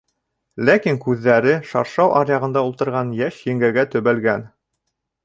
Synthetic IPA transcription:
lækiŋkʉðːæɾɘʃɑɾʃɑwʔɑ̰ɾjɑʁɤ̆nd̪ɑult̪ɤ̆ɾʁɑnjæʃjɘ̆ŋɡæɡæt̪ɵ̆βælɡæn

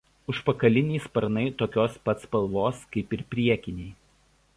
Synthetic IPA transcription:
ʊʃpɐkɐlʲɪnʲɛːspɐɾnɐɪt̪oːkʲoːspɐt̪spɐlˠʋoːskɐɪpɪɾpʲɾʲiɛkʲɪnʲɛɪ

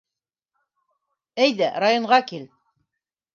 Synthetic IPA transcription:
æjðæɾajŏɴʁɑkil

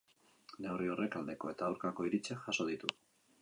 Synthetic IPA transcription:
ne̞wrio̞re̞kald̪e̞ko̞e̞t̪aːwɾkako̞iɾit͡seʝaso̞ð̞it̪u

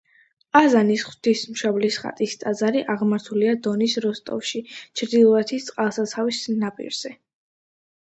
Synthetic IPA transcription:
azanisχwt̪ʰismʃɔblisχa̰t̪ʼist̪ʼazaɾiʔaʁmaɾt̪ʰuliad̪ɔnisɾɔst̪ʼɔ̰fʃit͡ʃʰɾd̪ilˠɔɛt̪ʰist̪sʼqʼalˠsat̪sʰavisnapʼḭɾz̥ɛ

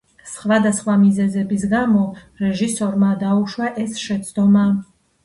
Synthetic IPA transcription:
sχvad̪asχwamizɛzɛbis̬ɡamɔ | ɾɛʒisɔɾmad̪auʃwaʔɛsʃɛt̪sʰʼd̪ɔma

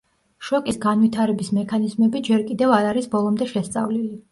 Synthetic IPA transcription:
ʃɔkʼisɡanvit̪ʰaɾɛbismɛkʰanizmɛbid͡ʒɛɾkʼid̪ɛvaɾaɾisbɔlˠɔmd̪ɛʃɛst̪sʼa̰vlili

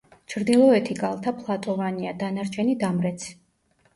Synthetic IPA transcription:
t͡ʃʰɾd̪ilˠɔɛt̪ʰiɡalˠt̪ʰapʰlˠat̪ʼɔvaniad̪anaɾt͡ʃʰɛnid̪amɾɛt̪sʰ

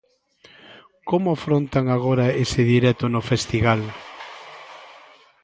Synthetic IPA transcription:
komʊafɾont̪aŋaɣoɾaesɪðiɾɛt̪ʊnʊfest̪iɣal

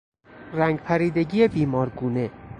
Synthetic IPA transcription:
ræŋɡpʰæɾiːd̪e̞ɟiːjebiːmɒːɾɡuːne

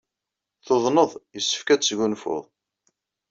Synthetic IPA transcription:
θoðˤnəðˤjəsːə̥fkæt͡sːʝunfʊ̰ðˤ

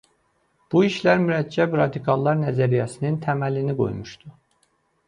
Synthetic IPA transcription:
b̥uiʃlæɾmyɾæd͡ʒːæbɾɑd̪ikʰɑlˠːɑɾnæzæɾijæsinint̪ʰæmæliniɡo̞̰jmuʃd̪̥u

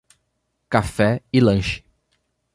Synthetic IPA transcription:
kafɛɪlɐ̃ʃɪ̥

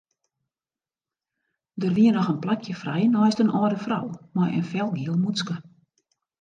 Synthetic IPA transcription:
dərʋiənɔxənplakʰjəfrɛjnɔjstənʔɔːdəfra̰wmɔjə̰nfɛlˠɡiəlˠmut͡skə

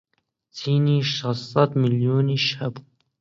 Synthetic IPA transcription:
t̪ʰiːniːʃɑsːɑt̪miljoːniʃhabu

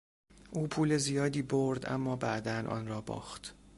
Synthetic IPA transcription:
ʔuːpʰuːlezijɒːd̪iːboɾd̪æ̰mːɒːbæʔd̪ænʔɒ̰ːnrɒːbɒ̰ːχt̪

